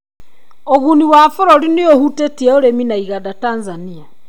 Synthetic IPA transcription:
oɣuniwafoɾoɾiniohutetiɛoɾeminaiɣadatanzania

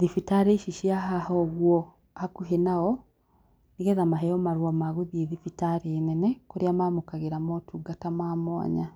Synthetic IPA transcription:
ðifitaɾeʃiʃiaɦahɔɣwɔ | hakuɦenaɔ | niɣɛðamaɦɛjɔmaɾwamaɣuðieðifitaɾenɛnɛkoɾijamaːmokaɣeɾamotʰuɡatamaːmwa̰ɲa

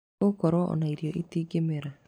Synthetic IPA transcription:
okɔɾɔʔɔ̰naiɾjoʔitiːɡemeɾa

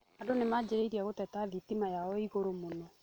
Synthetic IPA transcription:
andonemad͡ʑeɾeiɾiaɣotɛtaðitimajaɔiɣoɾomonɔ

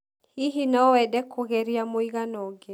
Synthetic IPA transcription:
iɦinɔwɛdɛkʰoɣɛɾiamoiɣanɔɡe

